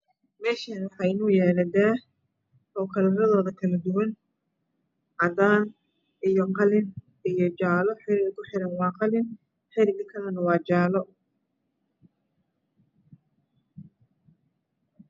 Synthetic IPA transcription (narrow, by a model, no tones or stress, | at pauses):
mɛːʃɐnwɑħɑjɪnʊːjɛːlɐd̪aː | hɔkʰɐlɐɾɐðɔːðɐkʰɐlɐd̪ʊwɐn | ʕɑdaːn | ʔijɔqɑlɪn | ijɔt͡ʃaːlɔħɪɾɪɣkʰʊħɪɾɐnwɑːqɑlɪn | ħɪɾɪɡɪkʰɐlɐnɐwɑːt͡ʃaːlɔ